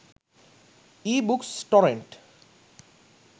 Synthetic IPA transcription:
ibuksʈɔɾeɳʈ

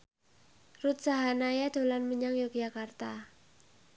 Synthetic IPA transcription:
rut̪̚saɦanajad̥o̤lanməɲaŋjuk̚d͡ʒakart̪a

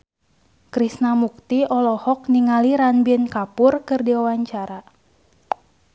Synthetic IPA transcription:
kɾisnamuk̚t̪iɔlɔhɔk̚niŋaliɾanbinkapʊrkɨrdiwawaɲt͡ʃaɾa

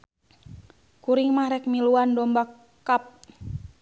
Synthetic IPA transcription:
kuɾiŋmahɾɛk̚miluandɔmbak | kːap̚

